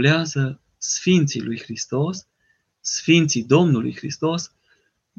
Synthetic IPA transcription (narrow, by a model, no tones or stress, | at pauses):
ljazə | sfint̪siluixɾist̪ɔs | sfint̪sid̪ɔmnulṵxɾist̪ɔs